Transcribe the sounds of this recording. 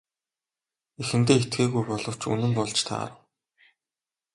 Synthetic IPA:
exɘ̆nt̪eːet̪ɡeːɣujpɔɮɞ̆w̥t͡ɕṵnɘ̆mpɔɮt͡ɕt̪ʰa̰ːr̆

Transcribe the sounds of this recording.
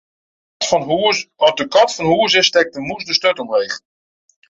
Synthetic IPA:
ɔdəkɔtfɔnhuəsɪstɛk̚təmusdəstœtɔmrejχ

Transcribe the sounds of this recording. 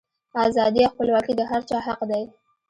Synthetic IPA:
ɑzɑd̪iawxpəlwɑkid̪əɦaɾt͡ʃɑhaqd̪aj

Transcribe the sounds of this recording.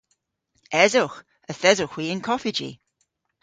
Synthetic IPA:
ɛzox | əθɛzʊxwiːənkʰɔfɪd͡ʒḭ

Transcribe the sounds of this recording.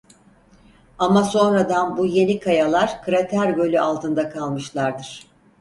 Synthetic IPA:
amaso̞nɾad̪anbuje̞nikʰajalˠaɾkɯɾat̪ʰæɾbø̞lʲyʔalˠt̪ɯnd̪akʰalˠmɯʃlˠaɾd̪ɯɾ̥

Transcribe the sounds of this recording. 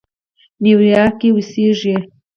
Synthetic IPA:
niwɾjakiwisiʒje

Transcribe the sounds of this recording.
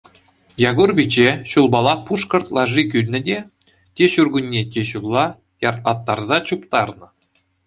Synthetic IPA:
jɑɡurbʲid͡ʑeɕulˠbɑlˠɑpuʂkɤ̆rt̪lˠɑʐikʲylʲnʲɘ̆dʲe | tʲeɕurɡunʲːetʲeɕulˠːɑ | jɑrt̪lˠɑt̪ːɑrzɑt͡ɕupt̪ɑrnɤ̆

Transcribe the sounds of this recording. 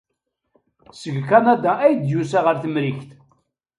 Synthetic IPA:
səɡkanad̪aæjəd̪jusaʁəɾθəmɾiçt̪

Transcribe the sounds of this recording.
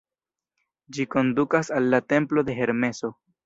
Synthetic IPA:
d͡ʒiko̞ndukasalːate̞mplo̞de̞ɦe̞ɾme̞so̞

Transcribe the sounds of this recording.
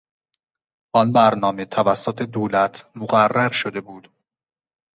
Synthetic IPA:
ʔɒnbæɾnɒːme̞t̪ʰævæsːot̪ʰed̪oːlæt̪ʰmoɣærːæɾʃod̪e̞buːd̪̥

